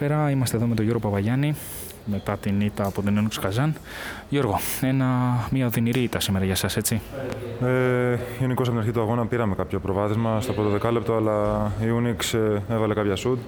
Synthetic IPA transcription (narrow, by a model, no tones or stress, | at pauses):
peɾɐimɐst̪eðo̞met̪o̞ʝo̞ɾɣo̞pɐvɐʝɐni | me̞t̪ɐt̪init̪ɐːpo̞t̪oniunikskɐzɐn | ʝo̞ɾɣo̞e̞nɐmiɐoðiniɾiit̪ɐsime̞ɾɐʝɐsɐse̞t͡sieiunikos̬poinɾçit̪uɐɣo̞nɐpiɾɐmekɐpço̞pɾovɐθizmɐst̪ɐpɾot̪oðe̞kɐle̞p̚t̪oɐlɐiuniksevɐle̞kɐpçɐsud̪̚